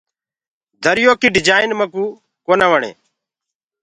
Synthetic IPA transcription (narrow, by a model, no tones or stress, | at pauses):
d̪ʱəɾɪjoːkiːɖɪd͡ʒaːɪnməkuː | koːnaːʋəɳḛː